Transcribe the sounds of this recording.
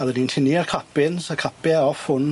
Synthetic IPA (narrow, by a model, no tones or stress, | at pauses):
aðɛdintʰɪniarkʰapɪnsakʰapɛɔfʊn